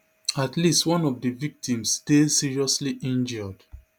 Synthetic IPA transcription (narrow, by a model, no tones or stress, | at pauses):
atlistwɔ̃nɔvdivik̚tʰĩmstesiɹiɔsliʔĩnd͡ʒɔd̥